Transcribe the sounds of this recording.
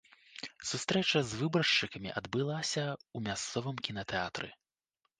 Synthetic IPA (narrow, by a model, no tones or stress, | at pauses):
sust̪ɾɛt͡ʂɐzvɨbɾɐʂt͡ʂɨkɐmʲḭʔɐd̪bɨlˠasʲɐumʲast̪sɔvɨmkʲinɐt̪ɛat̪ɾɨ̰